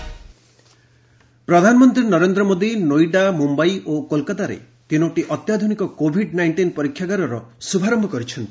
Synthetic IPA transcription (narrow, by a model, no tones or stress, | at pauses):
pɾɔd̪ʱanɔmɔnt̪ɾinɔɾend̪ɾɔmod̪inojɖamumbajʔokolkat̪aɾḛ | t̪inɔʈiʔɔt̪jad̪ʱunikɔkobʱiɖnajɳʈinpɔɾikʰːjaɡaɾɔɾɔsubʱaɾɔmbʱɔkɔɾit͡ʃʰɔnt̪i